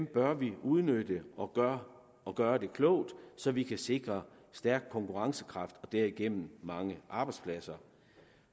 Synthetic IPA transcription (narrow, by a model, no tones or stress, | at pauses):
ʋemb̥ɶɐʋiuð̞ˠnød̥əʔɒ̥ɐ | ɒɡ̥ɶːɐd̥e̝kʰlɔʊ̰d̥sɒ̽ʋikʰæse̝ɡ̥ʁɐ | sd̥æɐɡ̥̚kʰːɒ̽ŋkʰuʁɑ̈ŋsə̥kʰʁɑ̈fd̥ɒ̽d̥æɐiɡ̥en̰m̩mɑ̈ŋəʔɑ̈b̥ɑ̈ɪd̥spʰlæsɐ